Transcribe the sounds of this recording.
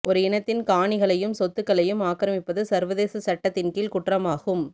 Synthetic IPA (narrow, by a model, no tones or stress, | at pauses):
ʔɔɾɯɪnɐt̪ːɪnkaːɳɪɣɐɭɐjɯmsɔt̪ːɯkːɐɭɐjɯmaːkːɐɾɐmɪpːɐðɯsɐɾʋɐðeːsɐsɐʈːɐt̪ːɪnkiːlkʊʈrɐmaːɣɯm